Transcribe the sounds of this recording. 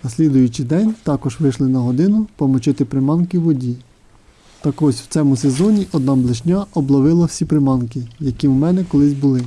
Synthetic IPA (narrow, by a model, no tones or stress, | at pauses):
nɐsʲlʲid̪ʊjʊt͡ʃɪd̪ɛnʲt̪ɑkɔʒʋɪʃlˠɪnɐɦɔd̪ɪnʊpɔmɔt͡ʃɪt̪ɪpɾɪmɑnkɪʋɔdʲi | t̪ɐkɔsʲw̥̪sɛmʊsezɔnʲiʔɔd̪nɑblˠɪʃnʲaɔblˠɔʋɪlˠɐw̥sʲipɾɪmɑnkɪjɐkʲiwmɛnɛkɔlˠɪsʲbʊlˠɪ